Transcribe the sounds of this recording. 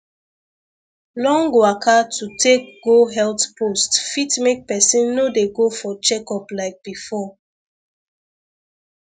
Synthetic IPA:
lɔ̃ŋɡoakʰatʰutʰek̚ɡoɦɛltpʰostfitmek̚pɛsĩnːodeɡofɔt͡ʃɛkɔplaɪk̚b̥ifɔ

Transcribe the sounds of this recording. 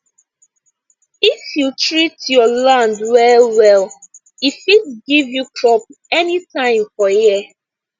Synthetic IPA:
ifjutɹitjɔlãndwɛwɛl | ifitɡivjukɹɔp̚ɛnitãɪ̃mfɔjɛ

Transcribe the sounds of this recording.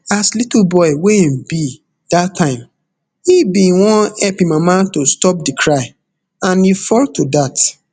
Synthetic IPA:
aslitl̩bɔɪwenbi | datʰːãɪ̃m | hibĩwɔ̃nɛpĩmãmatostɔp̚dikʰɹaɪ | ãnifɔltodat

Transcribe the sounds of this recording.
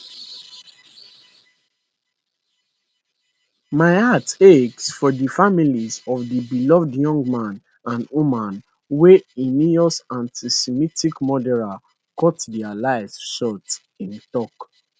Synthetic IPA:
maɪateksfɔdifamilizɔvdibilɔvdjɔ̃ŋɡmãn | ãnwumãn | weiniɔsãntisɛmitikmɔdɛla | kɔtdɛalaɪvsʃɔt | ĩntɔk

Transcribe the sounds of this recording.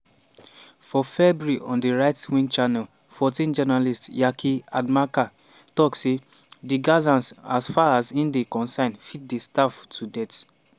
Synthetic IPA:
fɔfɛbɹiʔɔ̃ndiɹaɪtwĩnt͡ʃanɛl | fɔtĩnd͡ʒɛnalistjakʰiadmaka | tɔkse | diɡazãnsasfaazĩndekɔ̃nsãɪ̃nfit̚distaftʰudɛt

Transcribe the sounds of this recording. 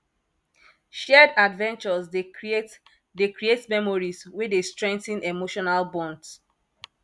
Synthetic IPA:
ʃɛdadvɛ̃nt͡ʃɔz | dekɹietmɛmɔɹizwedestɹɛ̃ŋk̚tĩnemoʃɔnalbɔ̃nds

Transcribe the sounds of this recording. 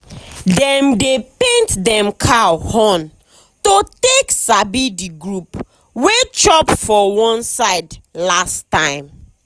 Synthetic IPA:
dɛ̃mdepẽntdɛ̃mkʰahɔ̃n | toteksabidiɡɹup | wet͡ʃɔpfɔwɔ̃nsaɪdlastːãɪ̃m

